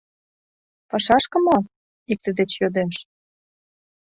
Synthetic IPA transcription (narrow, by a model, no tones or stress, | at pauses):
pɑʃɑʃkə̆mo | ik̚t̪ə̆d̪et͡ɕjod̪emʃ